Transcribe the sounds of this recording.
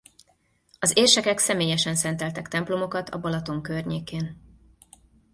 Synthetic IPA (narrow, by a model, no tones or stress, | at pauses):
ɒzeːrʃɛkɛksɛmeːjɛʃɛnsɛn̪t̪ɛlt̪ɛkt̪ɛmplo̞mo̞kɒt̪ʰɒ̰bɒlɒt̪o̞ŋkørɲeːkeːn